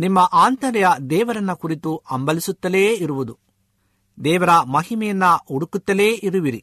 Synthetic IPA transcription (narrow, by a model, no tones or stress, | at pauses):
nimːɐʔaːnt̪ɐɾjɐd̪ɛːʋɐɾɐnːɐkuɾit̪uɐmbɐlisut̪ːɐleːiɾuʋud̪u | d̪ɛːʋɐɾɐmɐɦimɛjɐnːɐuɽukut̪ːɐleːʔiɾuʋiɾi